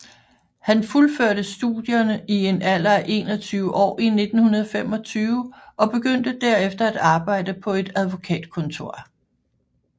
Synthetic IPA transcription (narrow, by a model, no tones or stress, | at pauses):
hænfulføɐ̰ɾ̥əsd̥ṵð̥ˠjɐnəie̝næl̰ɐʔe̝̰ːnɒt͡sʰyːʊəʔɒ̰ːine̝d̥n̩hunɐð̞ˠfem̰ɒ̽t͡sʰyːʊəʔɒ̽b̥e̝ɡ̥øn̰d̥əd̥æɐ̰efd̥ɐæd̥ɑ̈ːb̥ɑ̈ɪ̰d̥əpʰɒ̽e̝d̥æð̞ˠʋo̝kʰɛ̰ːd̥̚kʰɔ̽nt͡sʰo̝ɐ̰